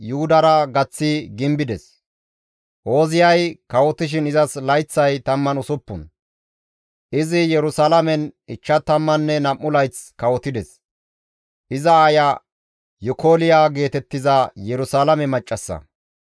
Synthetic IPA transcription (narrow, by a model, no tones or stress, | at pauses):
jʊhʊd̪ɐɾɐɡɐt͡sːɪɡɪmbɪd̪ɛs | ʔo̞ːzɪjɐjkɐwɔt̪ɪʃ̬ɪnɪzɐslɐjt͡sːɐjt̪ɐmːɐnʊsʊpːʊn | ʔɪzɪjɛɾʊsalɐmɛnɪt͡ʃːɐt̪ɐmːɐnːɛnɐmːʊlɐjt͡skɐwɔt̪ɪd̪ɛs | ʔɪzɐaːjɐ | jɔkoːlɪjaːɡe̞ːt̪ɛt̪ːɪzɐjɛɾʊsaːlɐmɛmɐt͡ʃʼːɐsːɐ̰